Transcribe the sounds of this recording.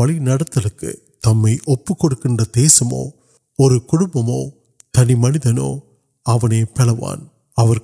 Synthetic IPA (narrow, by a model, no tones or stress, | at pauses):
ɐɭinɐɽɐt̪ːɐlɯkːɯ̰ | t̪ɐmːɐɪʔɔpːɯkːɔɽɯkːɪndrɐd̪eːsɐmo̰ː | ɔɾɯkʊɽʊmbɐmo̰ː | t̪ɐnimɐnɪðɐno̰ː | ɐʋɐneːpɛɭɐʋa̰ːn | ɐʋɐɾ